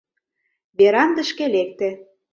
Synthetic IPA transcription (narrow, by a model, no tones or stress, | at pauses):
beɾɑnd̪ə̆ʃkĕlek̚t̪ĕ